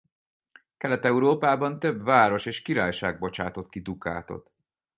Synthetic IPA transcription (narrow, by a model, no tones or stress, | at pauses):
kɛlɛt̪ɛuɾoːpaːbɒnt̪øbvaːɾo̞ʃeːʃkiɾaːjʃa̰ːɡ̚bo̞t͡ʃaːt̪o̞t̪kid̪uka̰ːt̪o̞̰t̪